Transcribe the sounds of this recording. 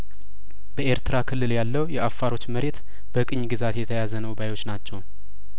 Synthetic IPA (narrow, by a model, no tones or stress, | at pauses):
bəʔe̞ɾt̪ɨɾakʰɨlːɨljalːəwjɛʔafːaɾo̞t͡ʃːməɾʔe̞t̪ | b̥əkʼɨɲːɡɨzat̪jɛt̪ʰəjazənəwbajwo̞t͡ʃːnat͡ʃːɛw